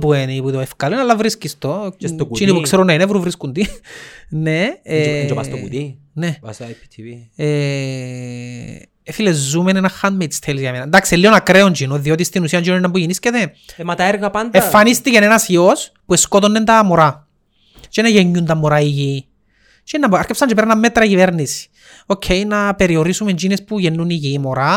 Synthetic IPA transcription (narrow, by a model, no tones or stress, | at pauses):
pueniput̪oefkɐlinɐlːɐvɾiskist̪ot͡ʃinipukseɾunːɐinevɾuvɾiskund̪i | ned͡ʒɐst̪out̪i | ne | filezːumenenɐxanmet̪i̥sθʰelizʝɐmenɐnd̪aksilːionɐkɾeond͡ʒinoðio̞t̪ist̪inusiɐnd͡ʒinoninɐmbujinisceðemɐt̪ɐeɾɣɐpand̪effːanist̪icenenɐsiospueskot̪onːend̪ɐmoɾa | t͡ʃenɐʝeɲːund̪ɐmːoɾaiʝi | t͡ʃenːɐmbɐɾkepsɐnd͡ʒepeɾɐnːɐmːet̪ɾɐciveɾnisi̥ | ocʰːejnɐpeɾioɾisumend͡ʒinespuʝenːuniʝimoɾa